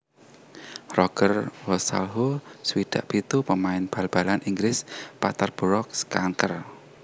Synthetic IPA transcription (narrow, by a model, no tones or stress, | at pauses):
rɔkərwɔsa̰lɦoswid̪̥a̤ʔb̥it̪upəmaɪnb̥a̤lb̥a̤lanʔiŋɡlɪspat̪arb̥əɾɔk̚skaŋkər